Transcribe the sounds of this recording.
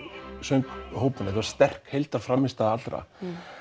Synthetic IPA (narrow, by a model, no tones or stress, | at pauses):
sœŋkhoːwpʏnɪθɛvaɾ̥st̪ɛr̥khejlt̪aɾfɾamːɪst̪aðat̪lɾa̰